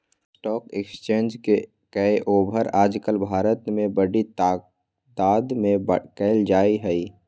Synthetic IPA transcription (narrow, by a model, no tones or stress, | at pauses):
sʈɔːkekst͡ʃeːnd͡ʒke | kəeʔoːbʱəɾaːd͡ʒkəlbʱaːɾət̪mẽbəɽi | t̪aːd̪mẽbkəɪld͡ʒaːiɦɛi